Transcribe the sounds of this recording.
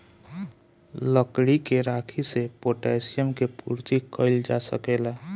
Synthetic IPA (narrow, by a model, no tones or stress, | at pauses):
ləkɽikeɾakʰisepoʈesijəmkepṵɾt̪ikəɪld͡ʒasə̰kela